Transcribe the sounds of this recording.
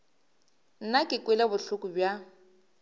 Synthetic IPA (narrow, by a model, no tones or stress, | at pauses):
n̩nakʼɪkʼwelabʊɬʊkʊbja